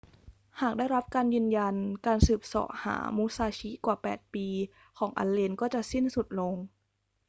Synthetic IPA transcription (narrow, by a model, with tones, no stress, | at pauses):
haː˨˩k̚daː˥˩jɾa˦˥p̚kaː˧njɯː˧nja˧nkaː˧nsɯː˨˩p̚sɔ̰ː˨˩˦ʔha̰ː˩˦mu˦˥saː˧t͡ɕʰi˦˥kwaː˨˩pɛː˨˩t̪̚piː˧ | kʰɔː˩˦ŋʔa̰˧nle˧nkɔː˥˩t͡ɕa˨˩ʔsi˥˩nsu˨˩t̪̚lo˧ŋ